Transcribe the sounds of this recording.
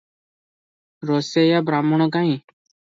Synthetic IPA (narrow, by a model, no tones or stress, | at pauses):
ɾoːseːjaːbɾaːməɳ̃õːɡaːĩː